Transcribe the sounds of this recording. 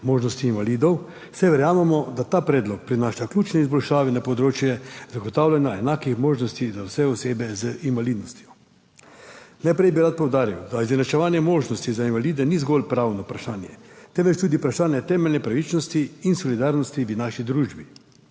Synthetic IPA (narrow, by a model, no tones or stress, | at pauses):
moːʒnɔst̪iːnʋaliːd̪ɔw | sɛʋɛɾjaːmɛmɔd̪at̪aːpɾɛːd̪lɔk̚pɾinaːʃaklʲuːt͡ʃnɛizbɔlʃaːʋɛnapɔd̪ɾoːt͡ʃjɛzaɡɔt̪aːwlanjaɛnaːkixmoːʒnɔst̪izawsɛɔseːbɛzəʔinʋalid̪nɔst̪jɔ | najpɾɛjbiɾat̪̚pɔwd̪aːɾiwd̪aizɛnat͡ʃɛʋaːnjɛmoːʒnɔst̪izainʋaliːd̪ɛnizɡolpɾaːwnɔpɾaʃaːnjɛ̰t̪ɛmʋɛt͡ʃt̪uːd̪iupɾaʃaːnjɛt̪ɛːmɛlʲnɛpɾaʋit͡ʃnɔst̪iːnsɔlid̪aːɾnɔst̪iʋənaːʃid̪ɾuːʒbi